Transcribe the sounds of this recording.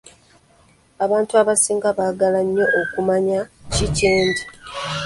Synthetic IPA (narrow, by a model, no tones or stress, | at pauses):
aβaːntuaβasiːŋɡaβaːɡalaɲːo̞ʔokumaɲaciceːɲɟi